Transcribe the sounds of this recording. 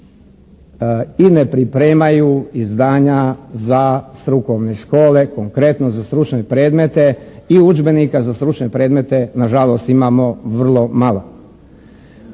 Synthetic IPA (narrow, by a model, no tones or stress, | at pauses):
ine̞pɾipɾe̞ːmajuizd̪aːɲazast̪ɾuko̞ʋne̞ʃko̞ːle̞ko̞ŋkɾe̞t̪nozast̪ɾut͡ʃne̞pɾe̞ːd̪me̞t̪e̞iud͡ʒbe̞nikazast̪ɾut͡ʃne̞pɾe̞ːd̪me̞t̪e̞naʒalo̞ːst̪imaːmo̞ʋr̩lˠo̞malˠo